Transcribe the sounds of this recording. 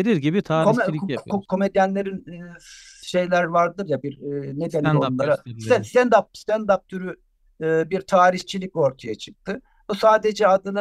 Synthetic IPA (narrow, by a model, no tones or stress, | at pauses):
eɾiɾɟibit̪ʰaːkokʰo̞me̞d̪jænlʲe̞ɾinː | ʃe̞jlʲæɾvaɾd̪ɯɾjabiɾned̪eniounˠaɾasɛst̪ʰænd̪ap̚st̪ʰænd̪ap̚t̪ʰyɾy | ɯːbiɾt̪ʰaːɾiçt͡ʃʰilʲic̚o̞ɾt̪ʰajat͡ʃʰɯ̥k̚t̪ʰɯ | busaːd̪e̞d͡ʒɛad̪ɯna